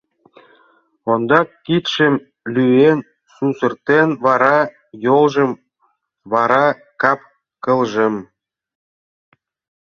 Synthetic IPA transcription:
ond̪ɑkːit̪ʃə̆m | lʲyen | susə̆rt̪envɑɾɑ | jolʒə̆m | βɑɾɑ | kɑp̚ | kɤ̆lʒə̆m

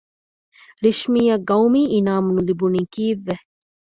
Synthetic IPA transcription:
ɾiʃmiːɐɡɐwmiːʔinaːmunulibuniːkiːʋːe

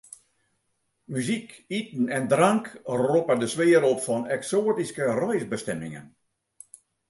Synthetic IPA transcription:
myzikitn̩ɛndraŋkropədəsʋɪːəɾɔpfɔnɛksoːətiskərɔjsbəstɛmɪ̰ŋə̰n

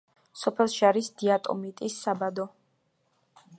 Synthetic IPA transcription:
sɔpʰɛlˠʃaɾisd̪̥iat̪ʼɔ̰mit̪ʼisːabad̪ɔ

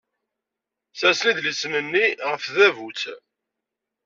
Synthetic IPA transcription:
θæsliðlisənənːiʁəfðævut͡sː

